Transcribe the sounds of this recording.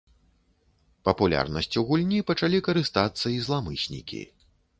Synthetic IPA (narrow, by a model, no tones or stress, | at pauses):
pɐpulʲa̰rnɐsʲt͡sʲuɣulʲnʲipɐt͡ʂalʲikɐɾɨst̪at̪sːɐizlˠamɨsʲnʲḭkʲḭ